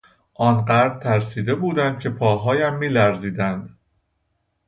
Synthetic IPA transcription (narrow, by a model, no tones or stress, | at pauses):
ʔɒːnɢæɾd̪̚t̪ʰæɾsiːd̪e̞buːd̪ænd̪̥̚cʰe̞pʰɒːɦɒːjæmːiːlæɾziːd̪ænd̪